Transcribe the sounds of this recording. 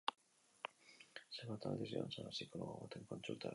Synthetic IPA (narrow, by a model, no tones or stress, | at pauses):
seβat̪a̰d̪isio̰nsaðasikoloɣoβot̪eŋkonsult̪a̰